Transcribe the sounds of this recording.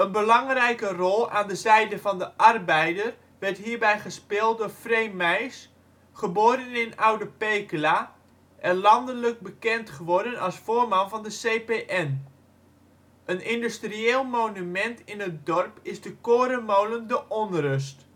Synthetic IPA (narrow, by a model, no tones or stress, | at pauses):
ənbəlɑŋrɛjkərɔlˠa̰ːndəzɛjdəvɑndəʔɑrbɛjdər | ʋɛrtɦiːɹbɛjχəspɪːlˠt̚dʊːrfrejmɛjs | χəboːɾənɪnawdəpejkla | ʔɛnlɑndələk̚bəkɛntχəʋɔrdənɑlˠsfoːrmɑnvɑndəsejpeʔɛn | ənɪndystrieːlˠmownymɛntɪnət̚dɔrpɪzdəkoːɾəmowləndəʔɔnrɵs̬t